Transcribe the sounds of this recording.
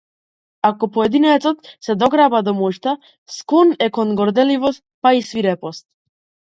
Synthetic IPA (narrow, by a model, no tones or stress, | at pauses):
akɔpɔɛd̪inɛt̪sɔt̪sɛd̪ɔɡɾabad̪ɔmuʃt̪a | skunɛkɔnɡɔɾd̪ɛlivɔst̪paisviɾɛpɔst̪̚